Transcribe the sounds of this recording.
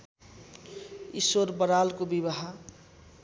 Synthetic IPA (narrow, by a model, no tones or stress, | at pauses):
ḭswoɾbəɾalkobibaɦa